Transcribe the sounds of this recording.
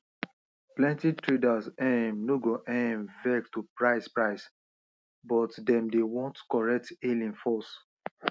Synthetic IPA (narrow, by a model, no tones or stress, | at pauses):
plɛ̃ntitɹedasɛ̃mnoɡoʔɛ̃mvɛktupɹaɪspɹaɪs | bɔtdɛ̃mdewɔ̃ntkɔɹɛk̚telĩnfɔs